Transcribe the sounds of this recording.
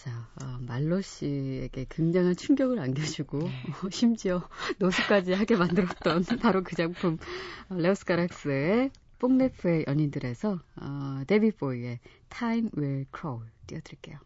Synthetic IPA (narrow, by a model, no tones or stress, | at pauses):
t͡ɕaʌmaɭːoɕ͈ieɡe̞kɯŋd͡ʑaŋɦant͡ɕʰuŋɡjʌɡɯɾanɡjʌd͡ʑuɡoɕʰimd͡ʑiʌnosʰɯp̚k͈ad͡ʑihaɡe̞mandɯɾʌt̚t͈ʌnpaɾokɯd͡ʑaŋpʰumʌles͈ʰɯ̥kaɾak̚s͈ɯe | p͈oŋnepʰɯe̞jʔʌɲindɯɾe̞sʰʌʌte̞biboie̞ | tʰaimweɭkʰɾouɭt͈ḭjʌdɯɭk͈e̞jo